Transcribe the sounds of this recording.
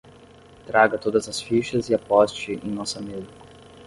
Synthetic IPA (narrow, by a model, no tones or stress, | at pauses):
t̪ɾaːɡat̪od̪azasfiʃɛzjapɔst͡ʃiʔinːɔsamelk